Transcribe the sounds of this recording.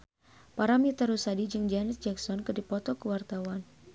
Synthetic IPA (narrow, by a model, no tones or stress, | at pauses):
paɾamit̪aɾusadid͡ʒɨŋd͡ʒanɛt̪̚d͡ʒɛksɔnkərdipɔt̪ɔkəwart̪awan